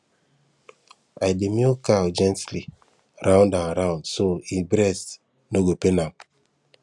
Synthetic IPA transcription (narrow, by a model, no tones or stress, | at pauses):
ajdemiokawd͡ʒɛ̃ntli | ɾʔãʊ̃ndãnɾaʊ̃ndsoibɾɛs | noɡopenam